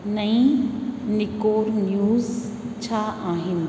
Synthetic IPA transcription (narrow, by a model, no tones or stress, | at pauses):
nɐĩnɪkoːɾnjuːz | t͡ɕʰaaːɦɪn